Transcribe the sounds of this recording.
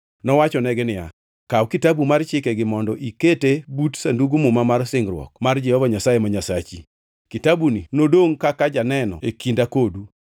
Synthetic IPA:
nɔwat͡ʃɔnɛɡɛnɪja̰ | kawkitabumart͡ʃɪkeɡɪmɔndɔʔiketebutsanduɡumumamarsɪŋɡɾwɔ̰kmard͡ʒɛhɔvaɲasajemaɲasat͡ʃi | kitabuninodoŋkakad͡ʒanɛnɔ̰ekindakodu

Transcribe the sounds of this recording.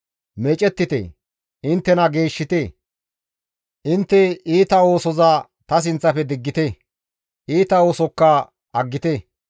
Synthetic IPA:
mɛt͡ʃʼɛt̪ːɪt̪ḛ | ɪnt̪ːɛnɐɡe̞ːʃːɪt̪e | ʔɪnt̪ːɛiːt̪ɐo̞ːsɔza | t̪ɐs̬ɪnt͡sːɐpɛd̪ɪɡːɪt̪e | ʔiːt̪ɐo̞ːsɔkːɐ | ɐɡːɪt̪e

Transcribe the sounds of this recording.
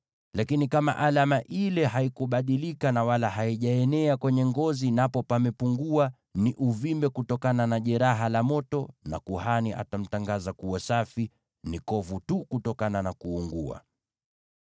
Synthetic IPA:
lakinikama̰ʔalamaʔilɛɦaikuɓaɗilikanawalaɦaiʄaɛnɛakwɛɲɛŋɡɔzinapɔpamɛpuŋɡua | niʔuvimbɛkutɔkananaʄɛɾaɦalamɔtɔna̰kuhaniʔa̰tam̩taŋɡazakuwasafi | nikɔvutukutɔkananakuːŋɡṵa̰

